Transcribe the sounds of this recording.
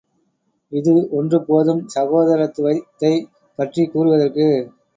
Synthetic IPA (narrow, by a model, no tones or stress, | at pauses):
ɪðɯɔndrɯpoːðɯmsɐɣoːðɐɾɐt̪ːɯʋɐɪt̪ːɐɪ | pɐʈrikuːɾɯʋɐðɐrkɯ